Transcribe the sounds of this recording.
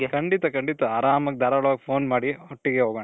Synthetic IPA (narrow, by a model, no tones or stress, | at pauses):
kɐɳɖit̪ɐkɐɳɖit̪ɐaːɾaːmɐk̚d̪aːɾɐɭʋaːɡpʰoːnmaːɽiɔʈːiɡeɦoːɡɐɳ